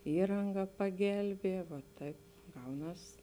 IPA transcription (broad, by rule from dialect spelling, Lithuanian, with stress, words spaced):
ˈiːrɐŋɡɐ pɐˈɡʲɛlʲbʲiɛ ʋoː ˈtɐɪp ˈɡɐʊˌnɐs